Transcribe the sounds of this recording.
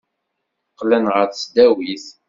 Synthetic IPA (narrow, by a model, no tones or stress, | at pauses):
qːlænʁəɾsd̪æwiθ